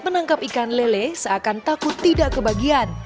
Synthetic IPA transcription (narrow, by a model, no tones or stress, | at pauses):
mənaŋkap̚ikanlelesəakant̪akʊt̪ːidaʔkəbaɡian